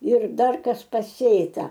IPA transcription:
ɪr ˈdɐr ˈkɐs pɐˈsʲeːtɐ

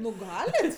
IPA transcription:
ˈnʊ ˈɡɑːlʲɪt

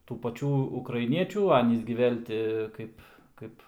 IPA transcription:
tuː pɐˈt͡ʃʲuː ʊkrɐɪˈnʲiɛt͡ʃʲuː ˈɑːnʲiːs ɡʲɪ ˈʋʲeːlʲ tʲɪ ˈkɐɪp ˈkɐɪp

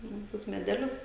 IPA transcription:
nʊ ˈtuɔs mʲɛˈdʲæːlʲʊs

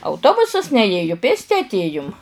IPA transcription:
ɐʊˈtoːbʊsɐs nʲɛˈeːjʊ ˈpʲeːsʲtʲɪ ɐtʲˈeːjʊm

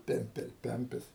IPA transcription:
ˈpʲɛmʲpʲɛlˠ ˈpʲɛmʲpʲɪs

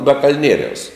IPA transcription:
bɐ kɐlʲˈnʲiɛrʲɛʊs

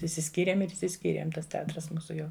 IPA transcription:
ɪʃʲsʲɪˈsʲkʲiːrʲeːm ɪr ɪʃʲsʲɪˈsʲkʲiːrʲeːm ˈtɐs tʲɛˈɑːtrɐs ˈmuːsʊ ˈjɛʊ

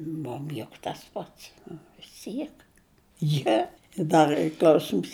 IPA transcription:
ˈmʊm jʊk tɐs ˈpɐts ʋʲɪs ˈtʲiɛk ˈjiɛ ɪ ˈdɐr ˈiː ˈklʲɐʊsʲɪms

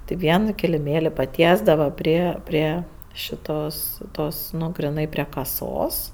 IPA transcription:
tɐɪ ˈʋʲiɛnoː kʲɪlʲɪˈmʲeːlʲɪ pɐˈtʲiɛzdɐʋɐ ˈpʲrʲiɛ ˈpʲrʲiɛ ʃʲɪˈtoːs ˈtoːs ˈnʊ ɡrʲɪˈnɐɪ pʲrʲiɛ kɐˈsoːs

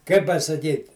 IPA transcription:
kɐɪ pɐsɐˈkʲiːtʲ

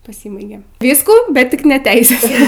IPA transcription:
pɐˈsʲiːbɐɪɡʲeː ˈʋʲiːskuː bʲɛt ˈtʲɪk nʲɛ ˈtʲɛɪsʲɛs

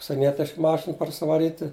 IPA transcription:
ʊʃʲsʲiɛˈnʲiɛtʲɪʃk ˈmɑːʃʲɪn pɐrʲsʲɪʋɐˈrʲiːtʲɪ

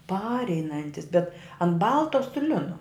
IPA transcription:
ˈpɑːrʲɛɪnɐnʲtʲɪs bʲɛt ɐn ˈbɐlˠtɐ sʊ ˈlʲɪnʊ

